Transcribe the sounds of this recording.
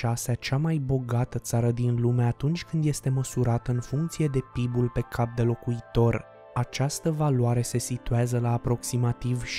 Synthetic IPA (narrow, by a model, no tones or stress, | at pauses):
ʃaseat͡ʃamajbo̞ɡat̪ət̪saɾəd̪inlumeat̪unt͡ʃʲkɨnd̪je̞st̪e̞məsuɾat̪əɨnfuŋk̚t̪sije̞d̪e̞pibulpe̞kʰap̚d̪e̞lo̞kuit̪o̞r | at͡ʃast̪əvaluaɾe̞se̞sit̪uazəlaːpɾo̞ksimat̪ivʃ